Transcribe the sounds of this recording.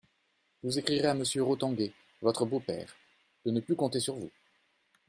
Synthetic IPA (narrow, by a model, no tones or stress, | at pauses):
vuzekχiʁeaməsjøʁot̪ɑ̃ɡʲe | vɔt̪χəbopɛ̰ːʁ | d̪̥ənəplykɔ̃t̪esyʁvṵ